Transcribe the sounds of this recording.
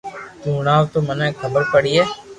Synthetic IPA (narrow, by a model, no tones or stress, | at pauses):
t͡ʃuːnaːʋt̪omɐnɛkʰɐbəɾpəɽieː